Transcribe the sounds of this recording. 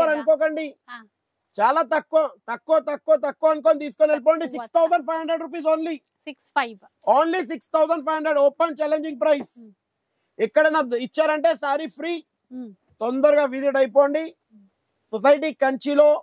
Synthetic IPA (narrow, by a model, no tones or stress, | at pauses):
ɐɾɐnukɔːk̬ɐɳɖi | t͡ʃaːlaːt̪ɐkːuʋɐt̪ɐkːuʋɐt̪ɐkːuʋt̪ɐkːuʋɐɐnuk̬oːnit̪iːsu̥konelip̬oːɳɖis̬ikst̪ʰɐwsɐɳɖ̚pʰɐjɦɐɳɖɾeɖɾup̬iːsoːnli | ks | oːnlis̬ikst̪ʰɐwsɐɳɖpʰɐjɦɐɳɖɾeɖoːpɐnt͡ʃɛːleɲd͡ʒiŋɡ̚pɾɐjs | ikːɐɽɐnɐit͡ʃːaːɾɐɳʈe̞ːsaːɾipʰɾiː | t̪ond̪ɐɾuɡaːʋid̪iʈɐjpoːɳɖi | sɔs̬ɐjʈ̬iːkɐɲt͡ʃilo̞ː